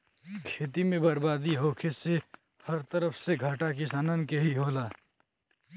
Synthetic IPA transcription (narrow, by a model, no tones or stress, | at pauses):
kʰeːt̪imẽbəɾbaːd̪iɦoːkʰese | həɾt̪əɾəpʰseɡʱaʈakɪsaːnənkeɦiɦoːlaː